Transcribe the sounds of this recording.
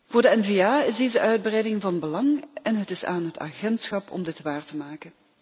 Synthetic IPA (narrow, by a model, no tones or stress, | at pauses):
vʊːɹdəɛnveaːɪzdeːjzəʔœɥd̚brɛjdɪŋvɑnbəlɑŋɛnɦətɪsa̰ːnɦəta̰ːɣɛntsxɑpʰɔ̰mdɪtʋaːrtəmaːkən